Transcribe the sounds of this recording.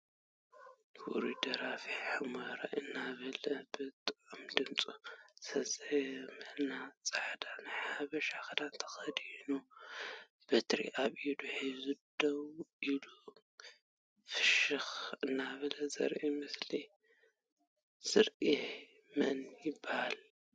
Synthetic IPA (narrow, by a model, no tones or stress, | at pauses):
wṵɾid̪ɐɾafiħɨmɐɾa̰ʔɨnːaβɐlɐbɨt̪ʼɨʕumd̪ɨmt͡sʼusɐsʼmɨʔnat͡sʼaħd̪anħaaβɐʃaxd̪ant̪ʰɐ̥xɐd̪inu | b̥ɐt̪ʰɾḭʔaβid̪uħizɨd̪ɐwilu | fɨʃɨxɨnːaβɐlɐzɐ̰ɾʔimɨsli | z̥ɨɾʔi | mɐʔnjbahal